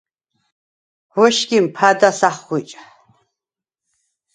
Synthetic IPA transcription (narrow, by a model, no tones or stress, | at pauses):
wɔʃɡʲimpʰad̪asaχːʷit͡ʃʼa